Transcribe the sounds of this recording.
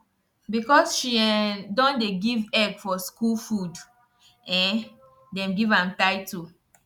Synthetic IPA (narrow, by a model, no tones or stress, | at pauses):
bikɔsʃiɛdɔ̃ndeɡivɛɡfɔskulfud | ɛ̃ | dɛ̃mɡivãmtaɪtu